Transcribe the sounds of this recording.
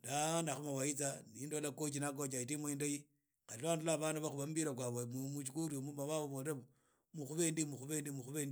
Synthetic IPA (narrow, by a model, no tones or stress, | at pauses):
danaxumawait͡sanindolakot͡ʃinak̬ot͡ʃaitimwendaji | kalilandulaβanaβaxuβambiɾakwaβomumuʃ̬ikuɾiomumaβaβoβoɾemo | muxuβendimuxuβeːndimuxuβendi